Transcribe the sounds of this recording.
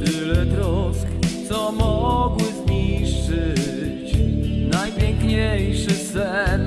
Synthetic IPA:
t̪ɪlɛt̪ɾɔskt̪sɔmɔɡwɘzmʲiʂɘt͡ɕnajpʲjɛŋkɲejʂɘsɛn

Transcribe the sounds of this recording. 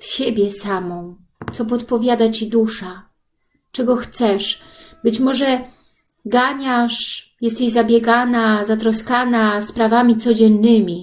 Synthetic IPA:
fɕebʲjɛsamɔ̃w̃ | t̪sɔpɔt̪pɔvʲjad̪at͡ɕid̪uʂa | t͡ʂɛɡɔxt̪sɛʂ | bɘt͡ɕmɔʐɛ | ɡaɲaʂjɛst̪ijzabʲjɛɡanazat̪ɾɔskanaspɾavamʲit̪sɔd͡ʑɛnːɘmʲi

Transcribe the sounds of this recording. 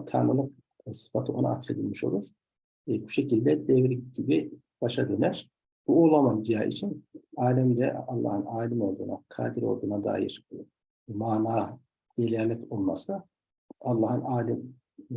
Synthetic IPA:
t̪ʰa̰ːnɯlˠɯk̚ | sɯ̥fat̪ʰɯʔo̞̰na̰a̰t̪ɾe̞d̪ilʲmiʃo̞̰lˠuɾ̥ | buʃe̞cilʲd̪ɛd̪ɛvɾiɟibi | b̥aʃad̪ø̞næɾ̥ | b̥uoːlˠamand͡ʒija̰ːʔḭt͡ʃʰinaːlʲɛmd̪ɛ̰ɑlˠːa̰ːhɯnaːlʲimo̞lˠd̪uːna̰kʰa̰ːd̪iɾo̞̰lˠd̪uːnad̪a̰ːjḭɾ̥ | maːnaː | d̪̥elʲæɾlʲɛto̞lˠma̰sɯ | ɑlˠːaːhɯnaːlʲɛm

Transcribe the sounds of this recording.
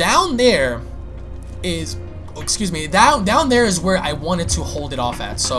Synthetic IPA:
d̥ãʊ̃nðə˞ | ɪz | ɪkskjʉzmidãʊ̃ndãʊ̃nðə˞ɨzwə˞a̰ɪwɑ̃ɾ̃ɨd̚tʰəhoʊlˠdɨɾɔfɨ̰tsoʊ

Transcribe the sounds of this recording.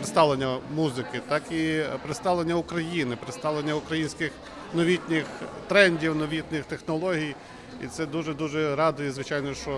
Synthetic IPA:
ɾɪst̪ɑlˠenʲːɐmuzɪkɪt̪ɑkipɾɪst̪ɑlˠenʲːɐʊkɾɐjinɪpɾɪst̪ɑʋlˠenʲːɐʊkɾɐjinʲsʲkɪx | nɔʋʲitʲnʲɪxt̪ɾɛnʲdʲiwnɔʋʲit̪ʲnɪxt̪exnɔlˠɔɦʲij | ḭt̪sɛd̪uʒɛd̪uʒɛɾɑd̪ɔjɛzʋɪt͡ʃɑjnɔʃt͡ʃɔ

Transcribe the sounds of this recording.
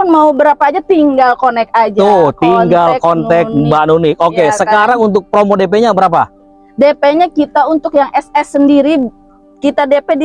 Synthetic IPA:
ʊnmaubəɾapaːd͡ʒat̪iŋɡalkonɛk̚ad͡ʒat̪ʊht̪iŋɡalkɔnt̪ɛk̚banunɪk̚okesəkaɾaŋunt̪ʊk̚pɾomodep̬eɲabəɾap̬a | depeɲakit̪aunt̪ʊkjaŋɛsɛsːəndiɾi | kit̪adepedi

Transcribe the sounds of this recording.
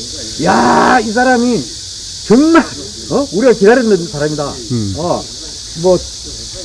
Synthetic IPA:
jais̬ʰaɾami | t͡ɕɯŋman | ʌuɾiɡakidaɾinʌnsʰaɾamida | ʌ | mwʌ

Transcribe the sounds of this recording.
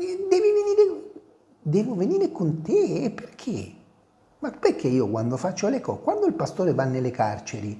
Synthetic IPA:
d̪ɛːviveniːɾe | d̪ɛːvoveniːɾekont̪eːpːerkʰḛ | mapːerkʰːeiːokwand̪ofat͡ʃːolekɔkwand̪oilpast̪oːɾevanːelːekart͡ʃeɾi

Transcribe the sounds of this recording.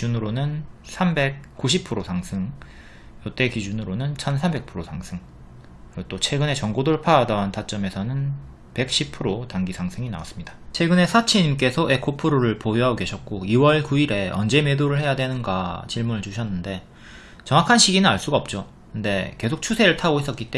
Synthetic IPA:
d͡ʑunɯɾonɯnsʰambe̞k̚k͈uɕʰip̚ʰɯɾosʰaŋsʰɯŋ | jʌt͈e̞kid͡ʑunɯɾonɯnt͡ɕʰʌnsʰambe̞k̚pʰɯɾosʰaŋsʰɯŋ | kɯɾɡot͈ot͡ɕʰweɡɯne̞t͡ɕʌŋɡodoɭpʰaːdaːntʰat͡ɕ͈ʌme̞sʰʌnɯn | pe̞k̚ɕ͈ʰip̚pʰɯɾotaŋɡisʰaŋsʰɯŋina̰was͈ɯ̥mɲidat͡ɕʰeɡɯne̞sʰat͡ɕʰiɲimk͈e̞sʰʌʔe̞kʰopʰɯɾoɾɯɭpojɦaoɡe̞ɕʰʌt̚k͈oiwʌɭkuiɾe̞ʌnd͡ʑe̞me̞doɾɯɭhe̞jadwe̞nɯnɡat͡ɕiɭmunɯɭt͡ɕuɕʰʌnːɯnde̞ | t͡ɕʌŋakʰanɕʰiɡinɯnaɭs͈uɡaʌp̚t͡ɕ͈o | kɯnde̞ke̞sʰok̚t͡ɕʰusʰe̞ɾɯɭtʰaɡois͈ʌk͈it͈e

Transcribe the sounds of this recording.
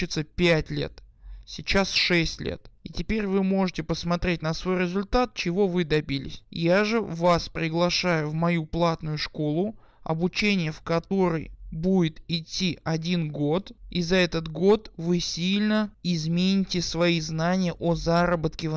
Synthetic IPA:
ɪt̪səpʲætʲlʲḛt̪sʲɪt͡ɕasʂɛsʲtʲlʲḛt̪ɪtʲɪpʲeɾʲvɨmo̞ʐɨtʲɪpəsmɐt̪ɾʲet̚ʲnəsvo̞jɾʲɪzʊlʲt̪at̪̚t͡ɕɪvo̞vɨd̪ɐbʲilʲɪ̰sʲjaʐɨvaspɾʲɪɡlˠɐʂajʊvmɐjuplˠat̪nʊjʊʂko̞lˠʊ | ɐ̰bʊt͡ɕenʲɪjəfkɐt̪o̞ɾəjbudʲɪt̪ɪtʲːiʔɐdʲinɡo̞t̪izɐɛt̪ət̪ɡo̞t̪vɨsʲilʲnəɪzmʲenʲɪtʲɪsvɐiznanʲɪjəʔozaɾəbət̪kʲɪ

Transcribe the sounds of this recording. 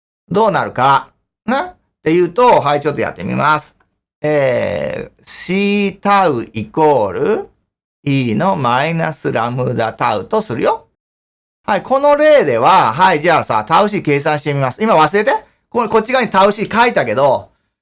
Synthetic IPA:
d̪o̞ːnaɾɯ̟ka | nã | t̪e̞jɯ̟ːt̪o̞ɦait͡ɕo̞t̪ːoja̰t̪ːe̞̰mʲḭmasɨ̥ | eː | ɕiːt̪aɯ̟iko̞ːɾɯ̟ | iːno̞maina̰sɨɾamɯ̟d̪at̪aɯ̟̰t̪o̞sɨɾɯ̟jo̞ | haikʰo̞no̞ɾe̞ːd̪e̞β̞aɦaiʑaːsa̰ːt̪aɯ̟ɕ̬ike̞ːs̬ãɕi̥t̪e̞mʲimasɨimaβasɨɾe̞t̪e̞ | koko̞t͡ɕːiɡaɲ̟it̪aɯ̟ɕikait̪ake̞d̪o̞

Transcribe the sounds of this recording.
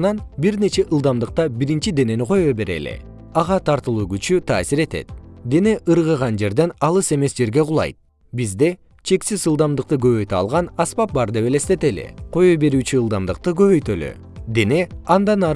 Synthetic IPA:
nɑnbiɾne̞t͡ʃe̞ʔɯlˠd̪ɑmd̪ɯq̚t̪ɑbiɾint͡ʃid̪e̞ne̞niqʰo̞jojbe̞ɾḛlḭ | ɑʁɑt̪ʰɑɾt̪ɯlˠuːɡyt͡ʃyt̪ʰɑ̰ːsiɾe̞t̪e̞̰t̪̚d̪e̞ne̞ʔɯɾʁɯʁɑnd͡ʒe̞ɾd̪e̞nɑlˠɯse̞me̞sd͡ʒe̞ɾɡe̞ʁʊlˠɑ̰jt̪̚ | bizd̪e̞ | t͡ʃʰe̞ksizɯlˠd̪ɑmd̪ɯq̚t̪ɯɡøβø̞jt̪ɑ̰lˠʁɑnɑspɑp̚bɑɾd̪e̞βe̞lest̪e̞t̪e̞lḭqʰo̞jojbe̞ɾyːt͡ʃyːlˠd̪ɑmd̪ɯq̚t̪ɯɡø̞βøjt̪ølø̰ | d̪e̞ne̞ɑnd̪ɑnɑ

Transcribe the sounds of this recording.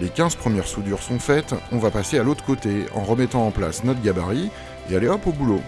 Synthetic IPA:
lekʲɛ̃zpχəmjɛʁsud̪yʁsɔ̃fɛt̪ɔ̃vapasealot̪χə̥kot̪eɑ̰̃ʁəmɛt̪ɑ̃ɑ̃pla̰snɔt̪χɡʲabaʁi | ealeɔpobulo

